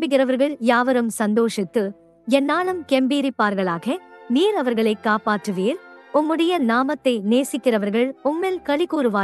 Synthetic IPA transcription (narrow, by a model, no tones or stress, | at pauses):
bɪɣɪɾɐʋɐɾɣɐɭjaːʋɐɾɯmsɐnd̪oːʂɪt̪ːɯ | ɛnːaːɭɯmkɛmbiːɾɪpːaːɾɣɐɭaːɣɐmiːɾɐʋɐɾɣɐɭɐɪkːaːpaːʈrɯʋeːɾʊmːɯɽɐjɐnaːmɐt̪ːɐɪneːsɪkːɪrɐʋɐɾɣɐɭʊmːɛlkɐɭɪɣuːɾɯʋaː